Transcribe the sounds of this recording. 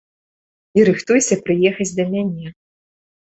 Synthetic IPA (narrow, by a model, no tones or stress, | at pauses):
iɾɨxt̪ujsʲɐpɾɨjɛxɐt͡sʲd̪ɐmʲanʲɛ